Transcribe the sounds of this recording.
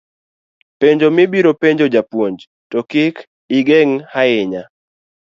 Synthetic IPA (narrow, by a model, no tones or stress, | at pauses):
peɲd͡ʒomɪbiɾopeɲd͡ʒod͡ʒapwoɲd͡ʒ | tɔkɪk | ɪɡeŋhaɪɲa